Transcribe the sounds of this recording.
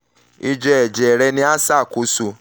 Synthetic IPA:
i˦d͡ʒɛ˧ɛ˨d͡ʒɛ˨ɾɛ˧nĩ˦a˦sa˦˨ku˨˦su˧

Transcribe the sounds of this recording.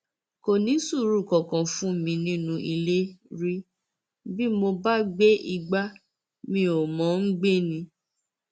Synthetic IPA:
ko˨nĩ˨˦su˦˨ɾu˦˨kɔ˨kã˨fũ˦mĩ˧nĩ˦nũ˧ʔi˧le˦ɾi˦ | bi˦mo˧ba˦ɡ͡be˦i˧ɡ͡ba˦ | mĩ˧˦o˨mɔ̃˨˦n̩˦ɡ͡be˦˨nĩ˧

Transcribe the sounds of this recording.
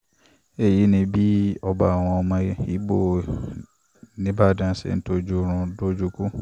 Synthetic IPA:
e˦˨ji˨˦nĩ˧bi˦ɔ˧ba˨a˨w̃ɔ̃˧ɔ˧mã˧i˨˦bo˦˨ | nĩ˦ba˦˨dã˦sḛ˨n̩˦to˦d͡ʒu˦ɾ̃ũ˧do˦d͡ʒu˦ku˦

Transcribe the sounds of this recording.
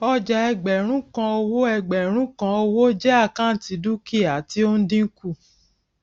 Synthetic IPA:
ɔ˦d͡ʒa˧ɛ˧ɡ͡bɛ˨ɾ̃ũ˦kã˧o˧wo˦ɛ˧ɡ͡bɛ˨ɾ̃ũ˦kã˧o˧wo˦d͡ʒɛ˦a˦˨kã˦n̩˨˦ti˨˧˦du˦ki˦˨a˨ti˦o˦n̩˦dĩ˦ku˦˨

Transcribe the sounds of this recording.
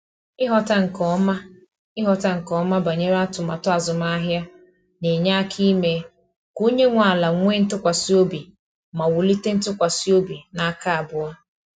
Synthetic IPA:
ɪ˦ɦɔ˦ta˦ŋ̩˨kɔ˦ma˦ | ɪ˦ɦɔ˨ta˦ŋ̩˨kɔ˦ma˦ba˨ɲe˦ɾa˦tʊ˨ma˨tʊ˦a˨zʊ˨ma˦ɦja˦ | ne˨ɲa˦a˦kʰi˦me˨ | ku˦ɲe˦ŋʷa˨la˨ŋʷe˦n̩˦tʊ˦kʷa˨si˦o˦bi˨ | ma˨wʊ˨li˦te˦n̩˦tʊ˦kʷa˨si˦o˦bi˨na˦ka˦a˨bʊ˨a˦

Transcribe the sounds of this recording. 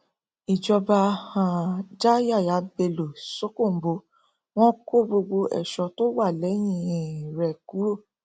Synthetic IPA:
i˨d͡ʒɔ˧ba˧hã˨d͡ʒa˦ja˦˨ja˨˦be˧lo˨so˦ko˦˨m̩˨bo˧˦ | w̃ɔ̃˦ko˦bo˧ɡ͡bo˧ʔɛ̰˨ʃɔ˧to˦wa˦˨lɛ˨˦j̃ĩ˧˨ĩ˨ɾɛ˧˨ku˨˦ɾo˦˨

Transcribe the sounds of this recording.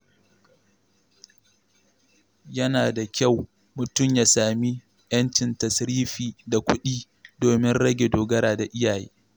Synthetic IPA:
jɐ˦naː˨da˨kʲa˦˨w | mʊ˨tʊ˦˨mjaː˦saː˨mi˦ | jɐ˦ntɪ˨ntɐ˨sɾiː˦ɸiː˨da˨kʷʊ˦ɗiː˦ | doː˨mɪ˦nɽɐ˦ɡʲe˨doː˨ɡɐ˦ɾaː˨da˨ʔɪ˦jaː˨jeː˦

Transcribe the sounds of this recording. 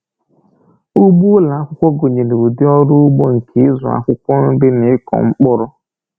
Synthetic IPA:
u˦ɡ͡bu˦la˨a˦kʷʊ˦kʷɔ˦ɡo˨ɲe˨ne˨u˨dɪ˦ɔ˦ɾʊ˦ʊ˦ɡ͡bo˦ŋ̩˨kʰe˨˦ɪ˦zʊ̰˨a̰˦kʷʊ˦kʷɔ˦n̩˦bɪ˦nɪ˨ɪ˦kɔ̰˨ŋ͡m̩˦k͡pʊ˦ɾʊ˦

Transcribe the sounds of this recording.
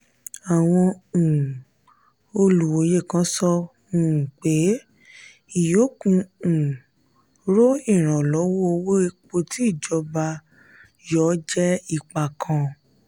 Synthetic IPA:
a˨w̃ɔ̃˧˨ | o˧lu˨wo˨˦je˦˨kã˦sɔ̃˧˨ | k͡pe˨˦ | i˨jo˨˦kũ˧˨ | ɾo˦i˦˨ɾ̃ã˨lɔ˨˦wo˦o˧wo˦e˧k͡po˧ti˦i˦˨d͡ʒɔ˧ba˧ | jɔ˦d͡ʒɛ˦i˦˨k͡pa˨kʰã˧

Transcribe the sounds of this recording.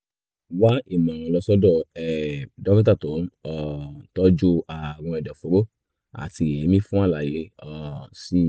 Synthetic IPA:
wa˦e˦˨mã˨ɾ̃ɔ̃˧lɔ˧sɔ˦dɔ˦˧˨ɛ˨dɔ˦mĩ˦ta˦˨tõ˨˦n˦ɔ˨tɔ˦d͡ʒu˦a˨w̃ɔ̃˧ɛ˨dɔ˨fo˨˦ɾo˦ | a̰˨ti˧e˨ẽ˨˦mĩ˦fũ˦a˦˨la˨je˨˦ɔ˧˨si˦

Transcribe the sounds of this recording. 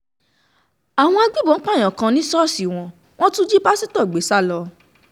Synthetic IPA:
a˨w̃ɔ̃˧a˧ɡ͡bi˦˨bɔ̃˨˦k͡pa˦˨j̃ã˨kã˧nĩ˦sɔ˦˨si˨w̃ɔ̃˧ | w̃ɔ̃˦tũ˦d͡ʒi˦ba˦si˦tɔ˦˨ɡ͡be˨˦sa˦˨lɔ˧

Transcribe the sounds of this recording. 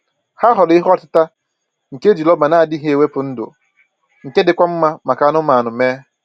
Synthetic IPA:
ha˦ɦɔ˨lɪ˦ɦɔ˦tɪ˦ta˦ | ŋ̩˨ke˦d͡ʒi˨lɔ˦ma˨na˦a˨dɪ˦ɦe˦e˨we˦pʊ˨n̩˦dʊ̰˨ | ŋ̩˨ke˦dɪ˨kʷa˦m̩˦ma˦ma˨ka˨˦nʊ˦ma˨nʊ˨meː˦

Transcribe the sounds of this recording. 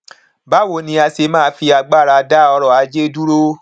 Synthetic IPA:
ba˨˦wo˨nĩ˧a˧se˧mãː˦˧˦fi˧a˧ɡ͡ba˦˨ɾa˧da˦ɔ˧ɾɔ˨a˨˧d͡ʒe˦du˦ɾo˦

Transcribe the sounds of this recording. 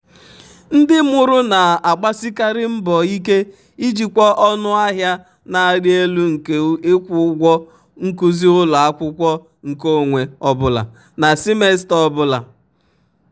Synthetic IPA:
n̩˦dɪ˦mʊ˨ɾʊ˦na˨a˨ɡ͡ba˦si˦ka˦ɾɪ˦m̩˦bɔ˨i˦ke˦ | i˦d͡ʒi˨kʷɔ˦ʔɔ˦nʊ˦a˦ɦja˦ | na˨a˨ɾɪ˦e˦lu˦ŋ̩˨ke˨˦ɪ˦kʷʊ˦ɡʷɔ˦ | ŋ̩˦ku˦zi˦ʊ˦lʊ˨a˦kʷʊ˦kʷɔ˦ | ŋ̩˨ko˦˨ŋʷe˨ɔ˦bʊ˦la̰˨ | na˨si˦me˦stɔ˦bʊ˦la̰˨

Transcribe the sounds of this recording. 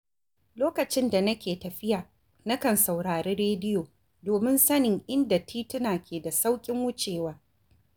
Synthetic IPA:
loː˦kɐ˨t͡ʃɪ˦nda˨nɐ˦kʲeː˨tɐ˨ɸɪ˦jaː˨ | nɐ˦kɐ˨nsa˨wɽaː˨ɾeː˦ɽeː˦dɪ˦joː˨ | doː˨mɪ˦nsɐ˦nɪ˨ŋʔɪ˦nda˨tʰiː˦tɪ˦naː˨kʲeː˨da˨sa˦wkʲʼɪ˦ŋwʊ˦t͡ʃʼeː˨waː˦

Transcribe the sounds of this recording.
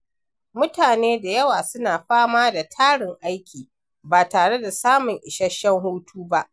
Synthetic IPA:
mʊ˦taː˨neː˦da˨jɐ˦waː˨sʊ˦naː˨ɸaː˦maː˦da˨tʰaː˦ɽɪ˨ŋʔa˦jkʲiː˨ | baː˨taː˨ɽe˦da˨saː˦mʊ˨ŋʔɪ˨ʃɐ˦ʃːɛ˦ŋɦuː˦tʰuː˦ba˦ʔ

